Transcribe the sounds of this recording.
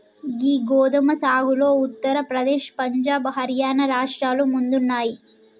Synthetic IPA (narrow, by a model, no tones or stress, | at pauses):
ɡiːɡoːd̪ɐmɐsaːɡuloːut̪ːɐɾɐpɾɐd̪eːʃpɐɲd͡ʒaːbɦɐɾjaːnɐɾaːʂʈɾaːlumund̪unːaːji